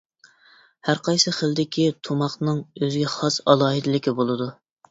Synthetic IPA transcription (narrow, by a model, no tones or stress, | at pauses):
hæɾqʰɑjsɨχəld̪ɪkʲʰit̪ʰomɑχnɨŋøzɡʲɛχɑsɑlˠɑːɦɨd̪ɪlɪkʲibolˠɨd̪u